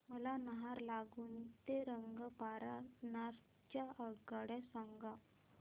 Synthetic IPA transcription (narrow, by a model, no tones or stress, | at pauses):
məlanəɦaɾlaɡuːnt̪eɾəŋɡəpaɾanaɾ | t͡ɕjaʔəɡaɽjasãŋɡa